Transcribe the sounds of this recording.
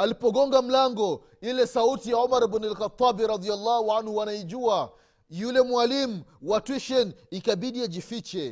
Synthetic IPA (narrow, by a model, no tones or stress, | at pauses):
alipɔɡɔŋɡam̩laŋɡɔ | ilɛsautijaɔmaɾɛbunɛlkat̪ˤːabiɾɑd̪ialːahuanhuwanaiʄua | julɛmwalimuwatwiʃɔnikaɓiɗiad͡ʒifit͡ʃɛ